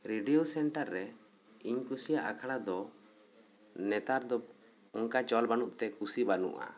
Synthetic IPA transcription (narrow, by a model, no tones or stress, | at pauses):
ɾiɖiosɛɳʈaɾːɛ | iɲkusijaʔa̰kʰaɽad̪ɔ | nɛt̪aɾd̪ɔ | ɔŋkat͡ʃɔlbanuʔt̪ɛkusibanṵʔa̰